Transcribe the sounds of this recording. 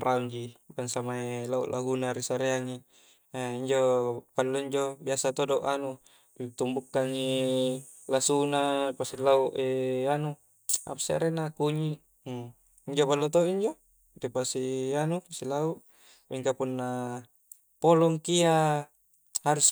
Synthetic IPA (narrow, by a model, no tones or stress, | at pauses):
rʔauɲd͡ʒibaŋsamaelaṵʔlʔa̰ɦunaɾisaɾeaŋi | iɲd͡ʒopalːoiɲd͡ʒobiasat̪odoʔanu | t̪umbukːaŋi | lasunapasilauʔeanu | a̰pḁsia̰ɾenakuɲi | iɲd͡ʒopalːot̪oiɲd͡ʒo | t̪ipasianuasilauʔ | miŋkapunːa | polɔŋkia | haɾus